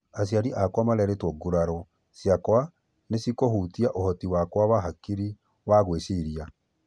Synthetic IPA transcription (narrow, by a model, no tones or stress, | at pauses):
as̬jaɾiʔakwamalɛɾetwɔɡuɾaɾɔ | sjakwa | nesikohutiaʔohɔtiwakwawaɦakiɾi | waɣwesiɾia